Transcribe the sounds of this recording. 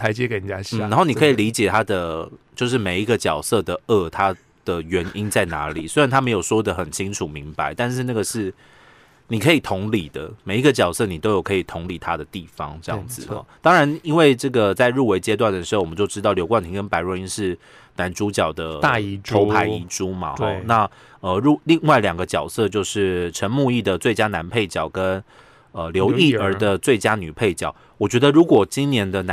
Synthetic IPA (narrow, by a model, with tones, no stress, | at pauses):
t̪ʰa˧˦ɪt͡ɕjɛ˦˥ke˧ɪni˨˩t͡ɕa˦˥ɕn̩˥˩ɻa˧˥nxo˥˩ʊni˨kʰə˧˥i˨li˧˦˥t͡ɕjɛ˨˩t̪ʰa˦˥d̪ə˨t͡ɕjo˥˧ʊʂ̬ɻ̩˥˩me˨˩ɪi˧˥ɡə˨t͡ɕjɑ˨˩ʊsɤ˥˨d̪ə˩ə˥˧˩t̪ʰa˥ | d̪̥ə˨ɥɛ˧˥ni˦˥nt͡sa˥˩ɪna˧˦˥lḭ˨˩swe˥ɻa˧˦nt̪ʰa˥me˧˥ɪjo˨˩swɔ˥˧˩d̪ə˨˩xə˨˩nt͡ɕʰi˦˥ŋʈ͡ʂʰu˨˩mi˧˥ŋpa˧˦ɪt̪a˥˧nʂɻ̩˥˧na˥˩ɡə˩ʂɻ̩˥˩ | ni˨˩kʰɤ˧˥i˨˩t̪ʰʊ˧˥ŋli˨˩d̪ə̰˦me˨˩ɪi˥ɡə˧t͡ɕjɑ˨˩ʊsɤ˥˩ni˨˩t̪o˥ʊjo˨˩ʊkʰɤ˧˥i˨˩t̪ʰʊ˧˥ŋli˨˩t̪ʰa˦d̪ə˨t̪i˥˩fɑ̰˧˥ŋʈ͡ʂɤ˥˧jɑ̰˥˨˩ŋd͡zɹ̩̰˨˩t̪ɑ˥ŋɻa˧˦ni˥nwe˥˧ɪʈ͡ʂɤ˥˩ɡə˩t͡sa˥˧ɪɻu˥˩we˧˥ɪt͡ɕjɛ˥t̪wa˥˩nd̪ə˩ʂɻ̩˧˥o˥˩wɔ˨˩m˦t͡ɕjo˥˧ʊʈ͡ʂɻ̩˥ɑ˥˩ʊljo˧˥ʊkwa˥˩nt̪ʰi˧˥ŋkə˥npa˧˥ɪɻwɔ˧i˥nʂɻ̩˥˩ | na˧˥nʈ͡ʂu˥t͡ɕjɑ˨˩ʊd̪ə˦t̪a˥˧o˧˥ʊpʰa˧˥ɪi˧˥ʈ͡ʂu˦mɐ̰˨xɔ˥˧na˥˨ | ə˧ɻu˥˩li˥˧ŋwa˥˩ɪljɑ˨˩ŋɡə˦t͡ɕjɑ˨˩ʊsɤ˥˧t͡ɕjo˥˧ʊʂɻ̩˥˩ʈ͡ʂʰə˧˥nmu˥˧i˥˩d̪ə˩t͡swe˥˩ɪt͡ɕja˥na˧˥npʰe˥˩ɪt͡ɕjɑ˨˩ʊkə˦n | ə˧ljo˧˦˥ʊi˥˩ə˞˧˥d̪ə˧t͡swe˥˩ɪt͡ɕja˥ny˨˩pʰe˥˩ɪt͡ɕjɑ˨˩˦ʊ | wɔ˨˩t͡ɕɥɛ˧˥d̪ə˧ɻu˧˥kwɔ˨˩t͡ɕi˦nnjɛ˧˥nd̪ə˧na˦